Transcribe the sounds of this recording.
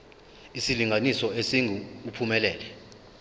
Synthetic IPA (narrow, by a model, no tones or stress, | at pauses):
isiliŋʱanisɔesiŋiupʰumɛlɛːlɛ